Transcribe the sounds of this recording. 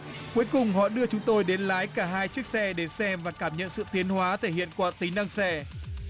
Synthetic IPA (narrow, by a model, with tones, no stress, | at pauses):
ku˨˦əjkʊ˨˩ŋ͡mhɔ̰˧˨ɗɨ˧ət͡ɕʊ˨˦ŋ͡mt̪o˧jɗe˨˦nlaː˨˦jkaː˧˩ɦaː˧jt͡ɕi˦˥ək̚sɛ˧ɗe˧˨˩sɛ˧mvaː˨˩kaː˧˩mɲə̰˧˨nsɨ̰˧˨t̪i˨˦ənhwaː˨˦t̪ʰe˧˩hḭ˧˨ənkwaː˧˩t̪ï˨˦ŋ̟ɗa˧ŋsɛ˧